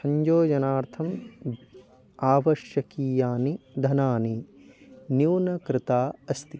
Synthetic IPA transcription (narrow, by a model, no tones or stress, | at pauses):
sɐɲd͡ʒoːd͡ʒɐnaːɾt̪ʰɐm | aːʋɐʃjɐkiːjaːnid̪ʱɐnaːni | njuːnɐkɾɪt̪aːɐst̪i